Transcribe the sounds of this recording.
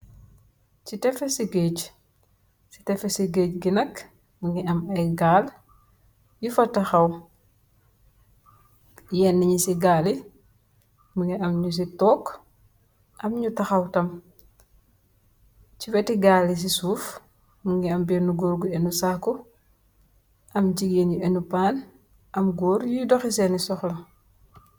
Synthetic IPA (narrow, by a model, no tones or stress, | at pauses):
citɛfesiɡeːc | si̥tɛfesiɡeːcɡinɐk | muŋɡiɐmɐɡaːl | jufɐtɐxɐw | jɛnːəɲisiɡaːli | muŋɡiɐmɲus̬itɔːk | ʔɐmɲutɐxɐwtɐm | cifɛtiɡaːlis̬isuːf | muŋɡiɐmbɛnuɡoːɾɡuenusaːkɔ | ʔɐmɟiɡeːnjuenupaːn | ʔɐmɡɔːɾjujudɔxisɛnisɔxlɐ